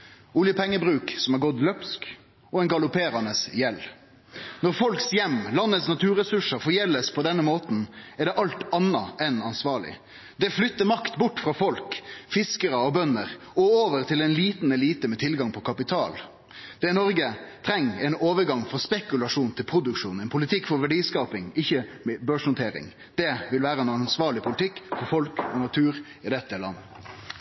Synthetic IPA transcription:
ʊljəpʰɛŋːəbɾʉːksɔmɛɡɔd̪lœpsk | ɔɛɪnɡɑlʊpeːɾɑnəsjɛl | nɔʁfɔlksjɛmlɑnːət̪snɑt̪ʰʉːɾɛsʉʂəfɔjɛlːəspʰɔd̪ɛnːəmoːt̪n̩æɖɛʔɑlt̪ɑnɑ̰ʔɛnɑnsʋɑːɭɪ̰ | d̪ɛflʏt̪ːəɾmɑkt̪bʊʈːfʁɑːfɔlkfɪskəɾəɔbœnːəʁ | ɔoːʋəɾt̪ʰɪlɛnliːt̪n̩ɛliːt̪əmɛt̪ʰɪlɡɑŋpʰɔkʰɑpɪt̪ʰɑːl | d̪̥ɛnɔɾɡət̪ʰɾɛŋːɛɪnoːʋəɾɡɑŋfɔɾspɛkʉlɑʂuːnt̪ʰɪlpʰɾʊd̪ʉkʂuːnɛnpʰʊlɪt̪ʰɪkːfɔɾʋæɖiːskɑːpɪŋɪçːəmɛbøːʂnʊt̪ʰeːɾɪ̰ŋ | d̪̥ɛʋɪlʋæːɾəɛnɑnsʋɑːɭɪpʰʊlɪt̪ʰɪkːfɔɾfɔlkɔnɑt̪ʰʉːɾ | ɪd̪ɛt̪ːəlɑ̰nːə

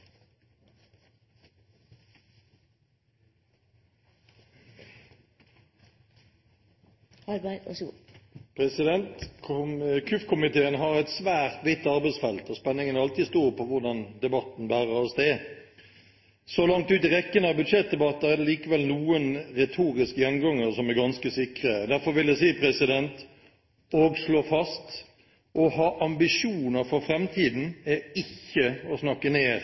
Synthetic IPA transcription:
hɑbɑɪɔ̰spʰʁɛsɪd̪ɛnt̪ | kʰʉfkʰʊmɪt̪ʰeːənɦɑːʁɛt̪sʋæːʁt̪ʋɪt̪ːɑʁbɛɪsfɛlt̪oːspɛnːɪŋənɑlt̪ɪst̪uːpʰoːʋʊʁd̪ɑnd̪ɛbɑt̪n̩bæːʁəʁɔst̪eː | sɔlɑŋt̪ʉːt̪ɪɾɛkːənəɑʋbʉd̪ʂɛt̪̚d̪ɛbɑt̪ːəæd̪ɛliːkəʋɛlnuːənɾɛt̪ʰuːɾɪskəjɛnɡɑŋːəɾsɔmæɾɡɑnskəsɪkɾəd̪æɾfɔɾʋɪld̪æsiːpʰɾɛsɪd̪ɛnt̪ | oːɡsloːfɑst̪ | ʔɔhɑːʔɑmbɪʂuːnəɾfɔɾfɾɛmt̪ʰiːd̪n̩ɛɪçːəɔsnɑkːəneːɾ

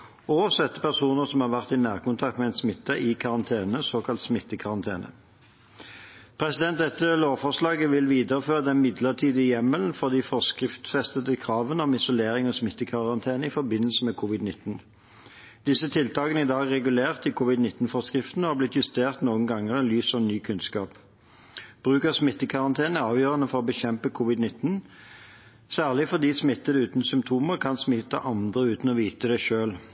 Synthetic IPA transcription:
ɔsɛt̪ːə̥pæʁsuːnəʁsɔmhɑːʁʋæʁt̪ɪnæːʁkʊnt̪ʰɑk̚t̪mɛɛnsmɪt̪ːəʔɪkʰɑʁɑnt̪ʰeːnəsoːkʰɑlt̪smɪt̪ːəkʰɑʁɑnt̪ʰḛːnʔə̰ | pʰʁɛsɪd̪ɛnt̪d̪ɛt̪ːəloːfɔʁslɑːɡəʋɪlʋiːd̪əʁəføːʁəd̪ɛnmɪd̪ləʁʈʰiːd̪ɪjɛmːəln̩fɔʁd̪iːfɔʁskʁɪft̪fɛst̪əd̪əkʰʁɑːʋənəɔmɪsʊleːʁɪŋɔsmɪt̪ːəkʰɑʁɑnt̪ʰeːnəɪfɔʁbɪnəlsəmɛkʰuːʋɪd̪nɪt̪n̩ | d̪̥ɪsːət̪ʰɪlt̪ʰɑːkənəɪd̪ɑːɡʁɛɡʉleːʁt̪ɪkʰuːʋɪd̪nɪt̪n̩fɔʁskʁɪft̪n̩əɔhɑblɪt̪jʉst̪eːʁt̪noːənɡɑŋːəʁɛnlyːsɔmnyːkʰʉnskɑːp | b̥ʁʉːkəʁsmɪt̪ːəkʰɑʁɑnt̪ʰeːnəɑːʋjøːʁənəfɔʁɔbəçɛmpəkʰuːʋɪd̪nɪt̪n | sæːʁlɪfɔʁd̪iːsmɪt̪ːəd̪əʉːt̪n̩sʏmp̚t̪ʰuːməʁkʰɑnsmɪt̪ːə̰ʔɑnd̪ʁəʉːt̪n̩ɔʋiːt̪əd̪ɛʃøːl

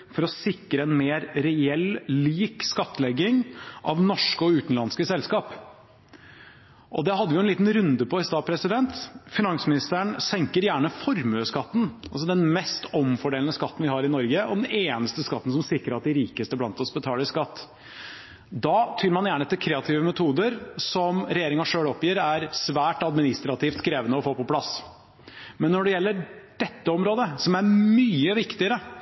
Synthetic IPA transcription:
fɔɾɔsɪkːɾəɛnmeːɾɾɛɛlliːkskɑt̪ːlɛɡɪŋʔɑʋnɔʂkəɔʉːt̪n̩lɑnskəsɛlskɑːp | ʔɔd̪ɛɦɑd̪ːəjʊɛnliːt̪n̩ɾʉnd̪əpʰɔɪst̪ɑːpʰɾɛsɪd̪ɛnt̪fɪnɑŋsmɪnɪst̪əɳsɛŋkəɾjæːɳəfɔɾmøːskɑt̪ːn̩ʔɑlsɔd̪ɛnmɛst̪ɔmfɔɖeːlnəskɑt̪ːn̩ʋɪhɑɾɪnɔɾɡəɔ̰d̪ɛneːnəst̪əskɑt̪ːən̩sɔmsɪkɾəɾɑt̪̚d̪ɪɾiːkəst̪əblɑ̰nt̪ɔsbət̪ʰɑːləɾskɑt̪ː | d̪ɑːt̪ʰyːɾmɑnjæːɳəɛt̪ːəkʰɾeːɑt̪ʰɪːʋəmɛt̪ʰuːd̪əɾsɔmɾɛjeːɾɪŋɑʂøːɽɔpjiːɾæɾsʋæːʈɑd̪mɪnɪst̪ɾɑt̪ʰɪːft̪kʰɾeːʋənəɔfoːpɔpʰlɑs | mɛnːɔɖɛjɛlːəɖ̥ɛt̪ːəɔmɾoːd̪əsɔmæɾmyːəʋɪkt̪ɪəɾə

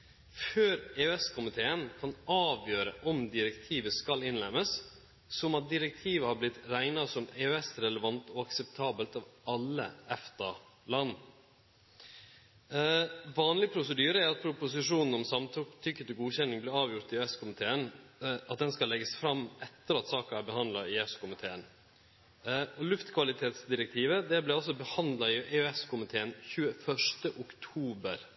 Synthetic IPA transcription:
føːɾeːøɛskʰʊmɪt̪ʰeːənkʰɑnɑːʋjøːɾə̰ʔɔmd̪ɪɾɛkt̪ʰiːʋəskɑlɪnlɛmːəsː | ɔmɑt̪̚d̪ɪɾɛk̚t̪ʰiːʋəhɑːɾblɪt̪ɾæɪnɑsɔmeøɛsɾɛləʋɑnt̪ɔɑksɛpt̪ʰɑːbəlt̪ɑʋʔɑlːə̰ɛft̪ɑ | lɑn | ʋɑːnlɪpʰɾʊsəd̪yːɾəæɾɑt̪̚pʰɾʊpʊsɪʂuːnn̩ɔmsɑmt̪ʰukt̪ʰʏkːət̪ɔɡuːçɛnːɪŋblɛɾɑːʋjʊɾt̪ɪœɛskʊmɪt̪ʰeːənɑt̪̚d̪ɛnskɑlɛɡəsfɾɑmɛt̪ːəɾɑt̪sɑːkɑæɾbəhɑnd̪lɑɪɛskʰʊmɪt̪ʰeːən | ɔlʉft̪kʰʋɑlɪt̪ʰeːt̪sd̪ɪɾɛk̚t̪ʰiːʋəd̪ɛblɛɔs̬ːɔbəhɑnd̪lɑɪʔeœɛskʰʊmɪt̪ʰeːənçʉːəfœʂʈəʔʊkt̪ʰuːbəɾ

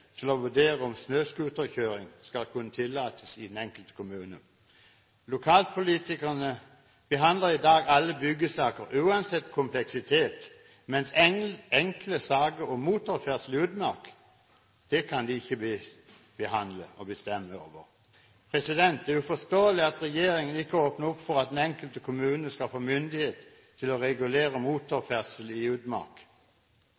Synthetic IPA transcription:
t̪ʰɪlɔʋʉd̪eːʁəɔmsnøːskʉːt̪əçøːɾɪŋskɑlkʰʉnːət̪ʰɪlːɑːt̪ʰəsɪd̪ɛnɛŋkəlt̪kʰʊmʉːnə | lʊkʰɑːlpʰʊliːt̪ɪkənə | b̥əɦɑnd̪ləʁɪd̪ɑːɡɑlːəbʏɡəsɑːkəɾʉːɑnsɛt̪ːkʰʊmpʰlɛksɪt̪ʰeːt̪ | mɛnsɛŋkləsɑːkəɾɔmuːt̪ɔʁfæʁslɪʉːd̪mɑʁk | d̪̥ɛkʰɑnd̪ɪɪçːəb | b̥əɦɑnd̪ləɔbəst̪ɛmːəo̰ːʋəʁ | pʰʁɛsɪd̪ɛnt̪d̪ɛʉfɔst̪oːəlɪɑt̪ʁɛjeːɾɪŋənɪkːəoːpnəʊpfɔʁɑt̪̚d̪ɛnɛŋkəlt̪əkʰʊmʉːnəskɑfoːmʏnd̪ɪheːt̪ʰː | ɪlɔʁɛɡʉleːɾəmuːt̪ɔʁfæʁsəlɪʉːd̪mɑ̰ʁk

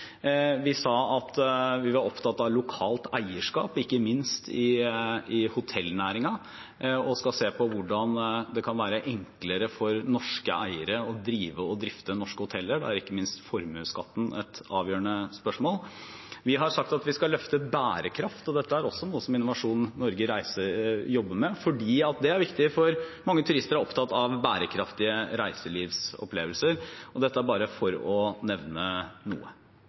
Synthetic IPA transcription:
ʋɪsɑːɑt̪ʋɪʋɑɾɔpt̪ʰɑt̪ːɑʋlʊkʰɑːlt̪æɪəʂkɑːpɪkːəmɪnst̪ʰɪɪhʊt̪ʰɛlːnæːɾɪŋɑ | ɔskɑseːpʰɔʋʊɖɑnd̪ɛkʰɑnʋæːɾəʔɛŋkləɾəfɔɾnɔʂkə̰ʔæɪəɾəɔd̪ɾiːʋəɔd̪ɾɪft̪ənɔʂkəhʊt̪ʰɛlːəɖɛ̰æɾɪkːəmɪnst̪fɔɾmʉːskɑt̪ːn̩ʔɛt̪ɑːʋjøːəɳəspœʂmoːl | ʋɪɦɑɾʂɑkt̪ɑt̪ʋɪskɑlːœft̪əbæːɾəkʰɾɑft̪ɔd̪ɛt̪ːəæɾɔsːɔnuːəsɔmɪnʊʋɑʂuːnːɔɾɡəɾæɪsəɾjɔbːəmɛfɔɖiːɑt̪̚d̪ɛæɾʋɪkt̪ɪfɔɾmɑŋːət̪ʰʉɾɪst̪əɾæɾɔpt̪ʰɑt̪ːɑʋbæːɾəkʰɾɑft̪ɪəɾæɪsəliːʋsɔ̰pleːʋəlsəɾɔd̪ɛt̪ːəæɾbɑːɾəfɔɾɔnɛʋnənṵːə̰

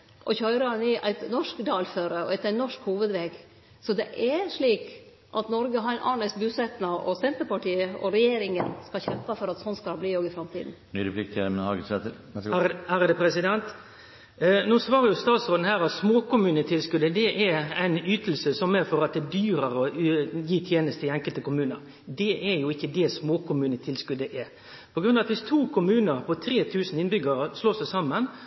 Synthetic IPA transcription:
ʔɔçœʏɾɑniʔæɪt̪nɔʂkd̪ɑːlføːɾəɔ̰ɛt̪ːænːɔʂkhuːʋəd̪ʋeːɡ | sɔd̪ɛʔæɾʂɭiːk | ʔɑt̪nɔɾɡəɦɑɾæɪnʔɑ̰ːɳɛsbʉsɛt̪nɑʔɔsɛnt̪əɾpɑʈiːəɔ̰ɾɛjeːɾɪŋənskɑçɛmpɑfɔɾɑt̪sɔnːskɑlbliːjɔɡɪfɾɑmt̪ʰḭːd̪n̩ | ɾpʰlɪkt̪ʰmhɑɡsɛ | æɾd̪ɛpʰɾɛsɪd̪ɛnt̪ | noːsʋɑːɾəjʊst̪ɑːt̪sɾoːd̪nəhæːɾɑt̪smoːkʊmʉːnət̪ʰɪlskʉd̪əd̪ɛʔɛɾæɪnyːt̪əlsəsɔmɛɾfɔɾɑt̪̚d̪ɛd̪yːɾəɾɔjiːt̪ʰjeːnəst̪ʰɪlɛŋkəlt̪əkʊmʉːnəɾ | d̪ɛʔɛɾjʊɪkːəd̪ɛsmoːkʰʊmʉːnət̪ʰɪlskʉd̪əʔɛ | pʰɔɡɾʉnɑʋɑt̪ʋɪst̪ʰuːkʰʊmʉːnəɾpʰɔt̪ʰɾeːt̪ʰʉːsn̩ɪnbʏɡəɾəsloːsæsɑmːən

